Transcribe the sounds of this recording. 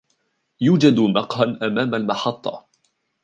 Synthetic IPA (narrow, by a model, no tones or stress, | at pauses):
juːd͡ʒad̪mɑqhanʔamaːmalmɑħɑt̪ˤːɑ̰